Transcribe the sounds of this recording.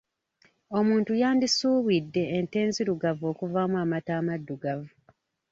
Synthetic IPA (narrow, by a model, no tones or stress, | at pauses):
o̞muːntujaːndisuːβwidːe̞ːnte̞ːnziɾuɡavo̞ːkuvamuamataːmadːuɡavu